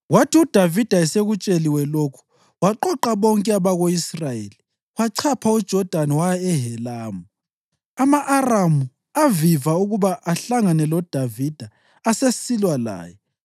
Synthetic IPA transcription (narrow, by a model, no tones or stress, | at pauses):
watʰiud̥ʱavid̥ʱaɛseɣut͡ʃʼeliwɛlokʰu̥ | waǃɔǃaβɔŋkʼɛaβaɣoisrajḛːli | waǀʰapʰaud̥ʒ̥ʱɔd̥ʱaniwajaɛɦɛlaːmu | amaʔːramu | avivauɣuβaʔaɬaŋanɛlɔd̥ʱavid̥ʱa | asesilwala̰ːjɛ